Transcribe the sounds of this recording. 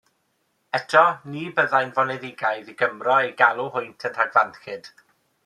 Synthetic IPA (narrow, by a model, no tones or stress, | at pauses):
ɛtʰɔniːbəðajnvɔnɛðɪɡajðiɡəmrɔejɡalˠuɦʊjntʰəntʰaɡvanxɪd̥